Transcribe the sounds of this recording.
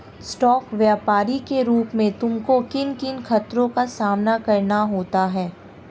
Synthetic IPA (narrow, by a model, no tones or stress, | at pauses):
sʈɔːkʋjaːpaːɾikeɾuːpmẽt̪ʊmkokɪnkɪnxɐt̪ɾõkasaːmnakɐɾnaɦoːt̪aɦɛː